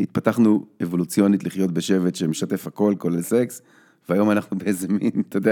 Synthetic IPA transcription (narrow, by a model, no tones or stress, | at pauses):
it̪̚pat̪aχnuevo̞lut͡sjo̞nit̪liχjo̞t̪beʃe̞vet̪ʃemeʃat̪e̞fhako̞lko̞lelseks | veajo̞manaχnubeezemint̪od̪e